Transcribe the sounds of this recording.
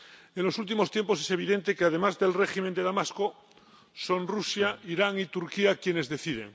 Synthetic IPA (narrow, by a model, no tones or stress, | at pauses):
enlo̞sult̪̬imo̞st̪jemposese̞β̞iðe̞nt̪ekeaðe̞mazðe̞lreximẽnd̪eðamasko | so̞nrusjaiɾaŋit̪uɾkiakje̞ne̞zðe̞θið̞ḛŋ